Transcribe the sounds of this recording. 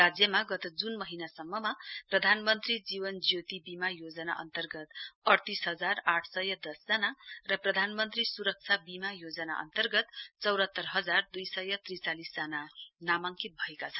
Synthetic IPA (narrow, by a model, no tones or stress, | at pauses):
ad͡zjʌmaɡʌt̪ʌd͡zunmʌɦinasʌmːʌmaprʌd̪ʱanmʌnt̪rid͡zibʌnd͡zjot̪ibimajod͡zʌna̰ʔʌ̰nt̪ʌrɡʌt̪ʌrt̪isɦʌd͡zaraʈʰsʌjʌd̪ʌsd͡zanarʌprʌd̪ʱanmʌnt̪risuɾʌk̚t͡sʰabimajod͡zʌna̰ʔʌ̰nt̪ʌrɡʌt̪t͡sʌwɾʌt̪ːʌrɦʌd͡zard̪ujsʌjʌt̪rit͡salisd͡zananamaŋkit̪̚bʱʌekat͡sʰʌn